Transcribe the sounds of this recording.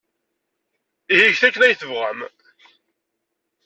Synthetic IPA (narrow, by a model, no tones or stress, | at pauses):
ihiʝθækːənæjθəvʁæm